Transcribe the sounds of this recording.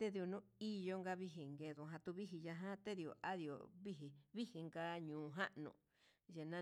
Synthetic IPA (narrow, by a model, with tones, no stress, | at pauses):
t̪e˦ði˧o˧nũ˦i˧jo˧ŋɡa˧βi˧ɦi˨ŋɡe˧ðũ˧˨ɦã˧t̪u˧βi˦ɦi˧ja˧ɦã˦t̪e˦ði˧˨o̰˨ʔa˦ði˧˨o̰˨βi˦ɦi˨βi˦hi˧ŋɡa˦ɲũː˨ɦa˦ʔnṵ̃˧˨ | je˧nã˦